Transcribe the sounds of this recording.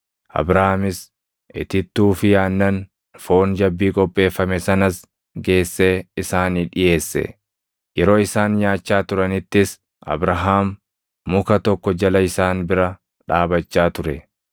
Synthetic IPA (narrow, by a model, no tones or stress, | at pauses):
ʔɐ̰bɾɐhaːmɪs | ʔɪt̪ɪt̪ːuːfɪjaːnːɐn | fo̞ːnd͡ʒɐbːiːkʼɔpʼːe̞ːfːɐmɛsɐnɐs | ɡe̞ːsːe̞ːɪsaːniːᶑɪje̞ːsːɛ̰ | jɛɾo̞ːɪsaːnjaːt͡ʃːaːt̪ʊɾɐnɪt̪ːɪs | ʔɐ̰bɾɐɦaːmː | ʊkɐt̪ɔkːɔd͡ʒɐlɐɪsaːnbɪɾɐ | ᶑaːbɐt͡ʃːaːt̪ʊɾɛ